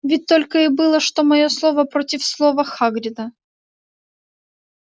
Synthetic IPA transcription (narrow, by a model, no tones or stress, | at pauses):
vʲɪt̚ʲt̪olʲkəɪbɨlˠəʂt̪omɐjo̞slˠovəpɾotʲɪfslˠovəxaɡɾʲɪd̪ə